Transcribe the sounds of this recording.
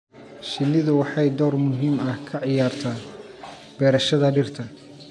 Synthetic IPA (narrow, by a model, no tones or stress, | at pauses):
ʃɪnːɪðʊwɑħɑjd̪ɔːrmʊɦiːmɐhkʰɐʕɪjaːrt̪ʰaː | b̥ɛːɾɐʃɐðɐɖɪrt̪ʰɐ